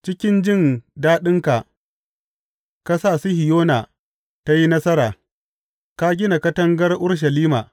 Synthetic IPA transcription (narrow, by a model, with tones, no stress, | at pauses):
t͡ʃɪ˦kʲɪ˦nd͡ʒɪ˦˨ndaː˦ɗɪ˦ŋka˨ | ka˦saː˨si˦hɪ˨joː˦naː˨ | ta˦ji˦nɐ˦sɐ˦ɾaː˨ | ka˦ɡʲɪ˦na˨kɐ˦tɐ˦ŋɡɐ˦rʔʊ˦ɽʃ̬ɐ˨liː˦maː˨